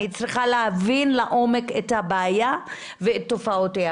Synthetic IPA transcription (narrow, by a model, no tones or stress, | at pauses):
it͡sʁiχaleavinlaʔo̞me̞kethabaːja | veet̪ːo̞fao̞tea